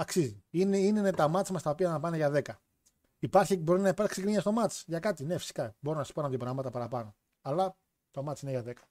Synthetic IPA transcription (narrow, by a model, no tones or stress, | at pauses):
ɐksiziineinnet̪ɐmɐt̪simɐst̪ɐopiɐnɐpɐneʝɐðe̞kɐ | ipɐɾçibo̞ɾinɐipɐɾksikɾiɲɐst̪o̞mɐt̪t͡sʝɐkɐt̪ine̞fi̥si̥kɐbo̞ɾonɐsi̥ponɐt̪jopɾɐmɐt̪ɐpɐɾɐpɐno̞ | ɐlɐ | t̪omɐt̪sineʝɐðe̞kɐ̥